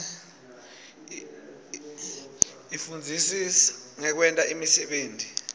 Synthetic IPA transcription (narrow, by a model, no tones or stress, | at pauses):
ifund͡zʱisisḁŋɛk̬wɛntʼaʔimisɛɓeːntʼi